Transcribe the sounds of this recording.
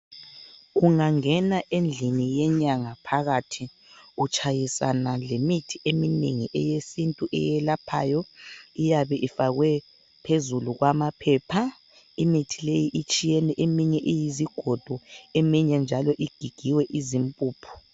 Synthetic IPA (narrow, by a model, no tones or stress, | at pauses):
ɣuŋaŋɛnaʔend͡ɮʱinijɛɲaŋapʰaɣatʰi | ut͡ʃʼajisa̰nalemitʰiʔemineŋiʔɛjesintʼuʔɛ̰jɛlapʰa̰ːjɔijaβɛʔifaɣwɛ | pʰezuluɣwamapʰɛːpʰa | imitʰilejiʔit͡ʃʼijɛnɛʔemiɲɛʔijiziɡ̥ʱɔd̥ʱɔemiɲɛnd͡ʒʱalɔʔiɡ̥ʱiɡ̥ʱiwɛʔizimpʼuːpʰɔ̥